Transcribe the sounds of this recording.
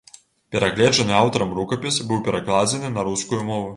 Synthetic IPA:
pʲɛɾɐɣlʲɛd͡ʒɛnɨawt̪ɐɾɐmrukɐpʲisbɨwpʲɛɾɐklˠad͡zʲɛnɨnɐɾuskujumɔvu

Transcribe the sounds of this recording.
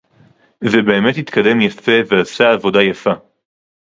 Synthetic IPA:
zebe̞ːme̞t̪hit̪kade̞mjafe̞veasaavo̞dajafa

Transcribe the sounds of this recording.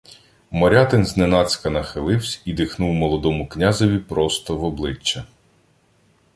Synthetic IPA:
mɔɾʲɑt̪ɪnznenɑt͡sʲkɐnɐxɪlˠɪwsʲid̪ɪxnuwmɔlˠɔd̪ɔmʊknʲazɔʋʲipɾɔst̪ɔʋɔblˠɪt͡ʃːɐ

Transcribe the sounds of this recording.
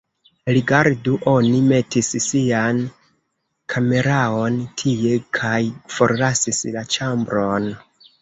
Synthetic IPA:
ɾiɡaɾduʔo̞nime̞tissian | kʰame̞ɾao̞ntʰie̞kʰajfo̞ɾlasislat͡ʃambɾo̞n

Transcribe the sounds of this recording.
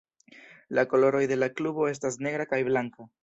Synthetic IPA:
lako̞lo̞ɾo̞jde̞laklubo̞e̞s̬tasne̞ɡɾakajblaŋka

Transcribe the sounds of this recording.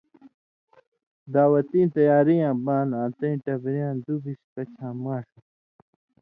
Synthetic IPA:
d̪aːwɐt̪ĩːnt̪ɐjaːɾijãːbãːnãːt̪ɐ̃ĩʈɐbɾijãːnd̪ubiskɐt͡ɕʰãːmaːʂɐ

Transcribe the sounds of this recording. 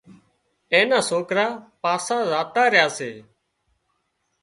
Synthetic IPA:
ẽːnãːsoːkɾaːpaːsaːzaːt̪aːɾɪjaːseː

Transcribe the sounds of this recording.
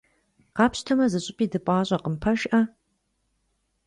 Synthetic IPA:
qɑːpɕtʰɐmɐzɨɕʼɪpʼiːdɨpʼɑːɕʼɐqəmpʰɐʃʔɐ

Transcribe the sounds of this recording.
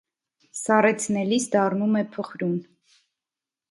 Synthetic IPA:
sɑrɛt͡sʰnɛlisd̪ɑrnumɛpʰɔχɾun

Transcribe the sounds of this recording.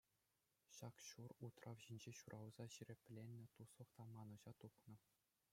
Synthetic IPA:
ɕɑkɕurut̪rʔɑʋʑinʲd͡ʑeɕurʔɑlzɑɕiɾʲĕpʲlʲenʲːɘ̆t̪uslˠɤ̆χt̪ɑmɑnɤ̆ʑɑt̪upnɤ̆

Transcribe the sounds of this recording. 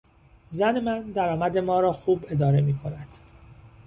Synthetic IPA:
zæne̞mænd̪æɾɒːmæd̪e̞mɒːɾɒːxuːbe̞d̪ɒːɾe̞miːkʰo̞næd̪̥

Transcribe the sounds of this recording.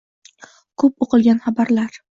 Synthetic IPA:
kʰɵp̚oqɨlˠɡʲanχabaɾlaɾ

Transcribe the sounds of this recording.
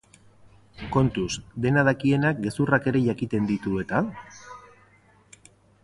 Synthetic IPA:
ko̞nt̪usd̪e̞nað̞akie̞nak̚ɡe̞surake̞ɾe̞ʝakit̪e̞nd̪it̪ue̞t̪a

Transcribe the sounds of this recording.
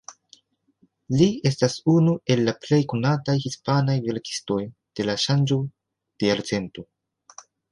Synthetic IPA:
lie̞stasunue̞lːaple̞jkonatajhispanajve̞ɾki̥sto̞jd̥e̞laʃand͡ʒo | d̥eaɾt͡se̞nto̞

